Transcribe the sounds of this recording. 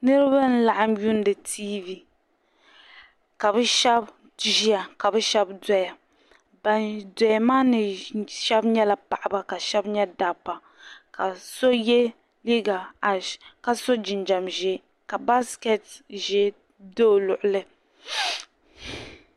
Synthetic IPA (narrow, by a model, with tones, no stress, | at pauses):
nɨ˦ɾɨ˦ba˦n̩˦la˨ʔa˦mju˦n˦dɨ˨tʰiː˦vi˨ | ka˨bɛ˦ʃɛ˦b | ʒi˦ja˨ka˨bɛ˦ʃɛ˦bda˦ja˨ | ba˨ndɛ˨a˨maː˦nɨ˨ʃɛ˦bɲɛ˦la˨pa˨ʔa˨ba˦ka˨ʃɛ˦bɲɛ˦da˨pːa˨ | ka˨so˦jɛ˦ | li˦ɡa˨a˨ʃka˦so˦d͡ʒɪ˨nd͡ʒa˨mʒɛ˦ | ka˨ba˦skɛ˨tʒɛ˦ | do˦˨lʊ˨ʔʊ˨lɨ˦